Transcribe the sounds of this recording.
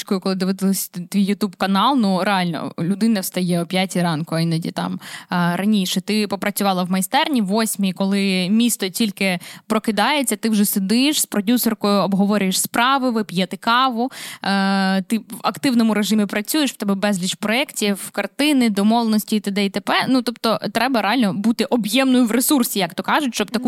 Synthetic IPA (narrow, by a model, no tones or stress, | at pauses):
t͡ʃkɔjʊkɔlˠɪd̪ɪʋɪt̪ɪlˠɪsʲt̪ʋʲijːʊt̪ubkɐnɑlˠnuɾeɑlʲnɔ̰lʲʊd̪ɪnɐwst̪ɐjɛɔpʲjatʲiɾɑnkʊɐinɐdʲḭt̪ɑ̰mɾɐnʲiʃɛt̪ɪpɔpɾɐt͡sʲʊʋɑlˠɐwmɐjst̪ɛrnʲiʋːɔsʲmʲikɔlˠɪmʲist̪ɔtʲilʲkɪpɾɔkɪd̪ɑjet͡sʲːɐt̪ɪwʒɛsed̪ɪʃspɾɔdʲusɔrkɔjʊɔbɦɔʋɔɾʲʊjeʃspɾɑʋɪʋɪpʲjɛt̪ɪkɑʋʊ | t̪ɪɐ̰kt̪ɪwnɔmʊɾeʒɪmʲipɾɐt͡sʲujeʃʋ̥t̪ɛbɛbɛzʲlʲit͡ʃpɾɔɛktʲiwkɐrt̪ɪnɪd̪ɔmɔʋlenɔsʲtʲit̪ɐd̪ɛit̪epɛnut̪ɔpt̪ɔt̪ɾɛbɐɾeɑlʲnɔbut̪ɪʔɔbjɛmnɔjʊʋɾesursʲijɐkt̪ɔkɑʒʊtʲʃt͡ʃɔb̚t̪ɐku